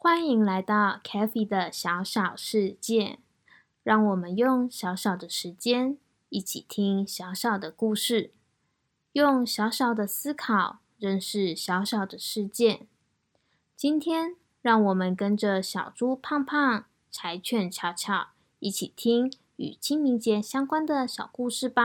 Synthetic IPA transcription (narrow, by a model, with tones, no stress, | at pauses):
xwa˥ni˧˥ŋla˧˥ɪt̪ɑ˥˩ʊkʰɛ˥fi˧˩d̪ə˨ɕjɑ˧˥ʊɕɑ˨˩ʊʂɻ̩˥˧t͡ɕjɛ˥˩ | ɻɑ˥˩ŋwɔ˨˩mə˦njʊ˥˩ŋɕjɑ˧˥ʊɕɑ˨˩ʊd̪ə˦ʂɻ̩˧˥t͡ɕjɛ˥n | i˥˩t͡ɕʰḭ˨˩t̪ʰi˥ŋɕjɑ˧˥ʊɕɑ˨˩ʊd̪ə˦ku˥˧ʂɻ̩˥˩ | jʊ˥˩ŋɕjɑ˧˥ʊɕɑ˨˩ʊd̪ə˦sɹ̩˥kʰɑ˨˩ʊ | ɻə˥˧nʂɻ̩˥˩ɕjɑ˧˥ʊɕɑ˨˩ʊd̪ə˦ʂɻ̩˥˧t͡ɕjɛ˥˩n | t͡ɕi˥nt̪ʰjɛ˥n | ɻɑ˥˩ŋwɔ˨˩mə˦nkə˥nʈ͡ʂə˨ɕjɑ˨˩ʊʈ͡ʂu˥pʰa˥˧ŋpʰɑ˥˩ŋ | ʈ͡ʂʰa˧˥ɪt͡ɕʰɥɛ˨˩nt͡ɕʰjɑ˧˥ʊt͡ɕʰjɑ˨˩˦ʊ | i˥˩t͡ɕʰi˨˩t̪ʰi˥ŋ | y̰˨˩t͡ɕʰi˥ŋmi˧˥ŋt͡ɕjɛ˧˥ɕjɑ˥ŋkwa˥nd̪ə˨ɕjɑ˨˩ʊku˥˧ʂɻ̩˥˩ba˨˦